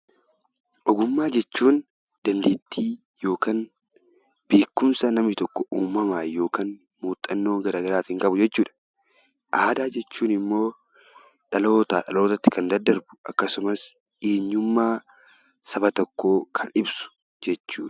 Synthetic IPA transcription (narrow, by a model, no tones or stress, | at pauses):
ʔɔɡʊmːaːd͡ʒɛt͡ʃːuːn | d̪̥ɐnd̪eːt̪ʰːiː | jo̞ːkaːn | b̥e̞ːkːʊmsɐnɐmnɪt̪ɔkːɔʔuːmːɐmaːjo̞ːkaːn | muːt̪ʼːɐnːo̞ːɡɐɾaːɡɐɾaːt̪ɪŋkʼɐbʊd͡ʒɛt͡ʃːuːᶑɐ̥ | ʔaːd̪aːd͡ʒɛt͡ʃːuːnɪmːo̞ː | ᶑɐlo̞ːt̪aːᶑɐloːt̪ɐt̪ːɪ̥kɐnd̪ɐd̪ːɐɾbʊ̥ʔɐ̰kːɐsʊmɐs | eːɲːʊmːaː | sɐbɐt̪ɔkːo̞ːkʰɐnɪbsʊ̥ | d͡ʒɛt͡ʃːuːᶑɐ̥